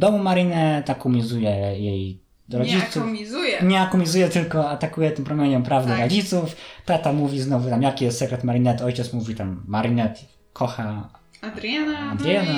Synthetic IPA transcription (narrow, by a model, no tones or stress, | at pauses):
d̪ɔmumaɾinɛt̪akumʲizujɛjɛj | d̪ɔɾɔd͡ʑisuizjɛɲɛakumʲizujɛt̪ɘlkɔat̪akujɛt̪ɘmpɾɔmʲjeɲɛmpɾavd̪ɛɾɔd͡ʑit̪suft̪at̪amuvʲiznɔvut̪amjakʲijɛst̪sɛkɾɛt̪maɾinɛt̪ɔjt͡ɕɛt̪smuvʲit̪amːaɾinɛt̪ | kʰɔxad̪ɾanad̪ɾjɛna